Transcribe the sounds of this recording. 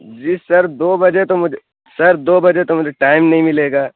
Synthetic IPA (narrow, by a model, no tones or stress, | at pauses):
d͡ʒiːsɐɾd̪oːbɐd͡ʒet̪omʊd͡ʒʱe | sɐɾd̪oːbɐd͡ʒet̪omʊd͡ʒʱeʈaːɪmnɐɦĩmɪleːɡaː